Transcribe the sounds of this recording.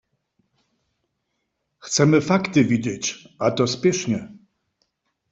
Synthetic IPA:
xt̪sɛmɘfakt̪ɘvʲid͡ʑet͡ɕat̪ɔspʲjɛʂɲɛ

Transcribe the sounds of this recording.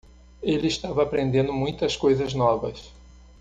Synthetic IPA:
elɪːst̪avɐːpɾẽnd̪ẽnd̪ʊmũj̃t̪ɐskojzɐznɔvɐs

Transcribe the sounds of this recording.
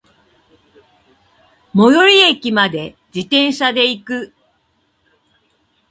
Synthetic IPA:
mo̞joɾʲiekʲimad̪e̞ | d͡ʑit̪ẽ̞ɰ̃ɕad̪e̞ikɯ̟

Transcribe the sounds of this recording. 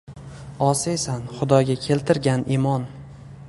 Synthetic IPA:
ɒsesanχʊd̪ɒɡʲakʲʰe̞lt̪ʰɪɾɡʲanimɒn

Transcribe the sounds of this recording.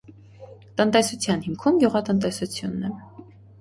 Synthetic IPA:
t̪ənt̪ɛsut͡sʰjɑnhimkʰumɡʲjuʁɑt̪ənt̪̬ɛsut͡sʰjunːɛ

